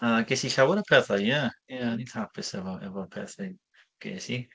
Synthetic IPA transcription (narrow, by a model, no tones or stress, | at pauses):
aɡesiɬawəɾəpʰɛθajjajanithapʰɪsɛvɔɛ̰vɔəpʰɛθaj | ɡ̥ḛːsi